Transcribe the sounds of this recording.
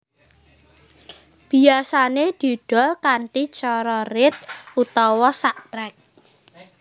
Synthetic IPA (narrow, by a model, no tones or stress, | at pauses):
b̥i̤asaned̪̥ṳɖ̥ɔ̤lkanʈit͡ʃɔɾɔɾɪt̪̚ut̪ɔwɔsaʔt̪ɾɛk̚